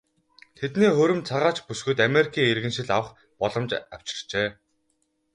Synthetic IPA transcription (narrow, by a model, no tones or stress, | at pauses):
t̪ʰet̪neːxɵɾɵ̆mt͡sʰaʁaːt͡ɕpusɡɘ̆t̪ameɾʲikʰiːŋerɣɘ̆nʃɪ̆ɮawə̆χ | pɔɮɞ̆mt͡ɕa̰w̥t͡ɕɪ̥̆r̥t͡ɕeː